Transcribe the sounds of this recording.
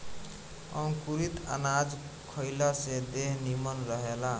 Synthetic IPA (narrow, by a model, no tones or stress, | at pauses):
ə̃ŋkuɾit̪a̰nad͡ʒ | kʰəɪlased̪eɦnimənɾəɦela